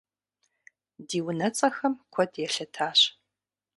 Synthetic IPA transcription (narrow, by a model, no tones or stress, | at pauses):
diːwʊnɐt͡sʼɐxɐmkʷʰɔdjɛɬɐtʰaːɕ